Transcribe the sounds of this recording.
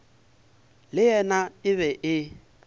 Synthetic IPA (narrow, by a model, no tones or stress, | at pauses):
lɪjɛnaɪβɛʔɪ